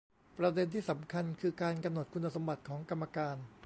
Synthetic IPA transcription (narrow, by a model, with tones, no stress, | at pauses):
pɾa˧de˧nt̪ʰiː˥˩sa˩˦mkʰa˧nkʰɯː˧kaː˧nka˧mno˨˩t̪̚ku˧nːa˧so˩˦mba˨˩t̪̚kʰɔː˩˦ŋka˧mːa˧kaː˧n